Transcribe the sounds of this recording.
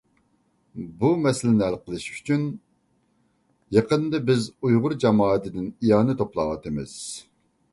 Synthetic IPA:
bumɛsɪlɪnɪælqʰəlˠɨʃy̥t͡ʃʰyn | jɑqənd̪ɨbɪzujʁʊɾd͡ʒɑmɑːɛt̪ʰɪd̪ɪnijɑːnɨt̪ʰoplˠɑ̰ːwɑt̪ɨmɪ̰z̥

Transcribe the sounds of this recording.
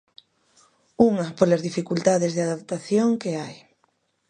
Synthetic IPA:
uŋɐpolɐzðifikult̪aðɪzðeaðap̚t̪aθjoŋkeaj

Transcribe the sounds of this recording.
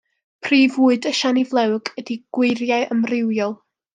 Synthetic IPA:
pʰriːvuːɨdəʃanivlˠɛwɡədiɡ̥wɪɨrjaɨʔəmrɪwjɔlˠ

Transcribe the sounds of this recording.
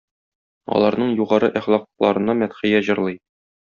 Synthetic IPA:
ɒ̰lˠɑɾnɤɴjuʁɑɾɤʔæχlˠɑqlˠɑ̰ɾɤ̆nɑmæt̪χĭjæʑɤ̆ɾlˠɤj

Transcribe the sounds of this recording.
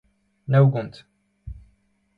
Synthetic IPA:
næwɡʊnt̪

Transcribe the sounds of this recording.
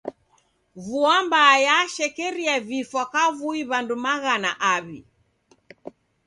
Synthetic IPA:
vuambaːjaʃɛkɛɾiavifwakavuiβandumaɣana̰ʔaβi

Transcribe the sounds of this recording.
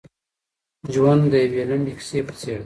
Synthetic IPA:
d͡ʒwand̪d̪əjawelaɳɖikseːpə̥t͡seːɽd̪

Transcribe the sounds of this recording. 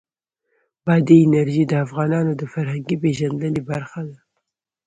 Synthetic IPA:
bɑːd̪eːnɛɾʒiːd̪əafɣɑːnɑːnod̪əfæɾhæŋɡiːbeːʒɐnd̪lɨlibæɾxad̪ɐ

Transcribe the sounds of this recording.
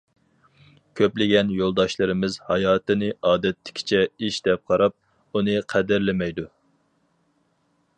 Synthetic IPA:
kʲʰøplɪɡʲɛnjolˠd̪ɑʃlˠɨɾɪmɪzhɑjɑːt̪ɨnɨʔɑːd̪ɛt̪ːɪ̥kʲʰɪ̥t͡ʃʰɛiʃd̪ɛp̚qʰɑɾɑp̚ | unɨqʰæd̪ɪɾlɪmɛjd̪u

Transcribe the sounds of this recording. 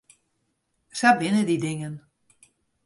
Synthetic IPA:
sabɪnədidɪŋən

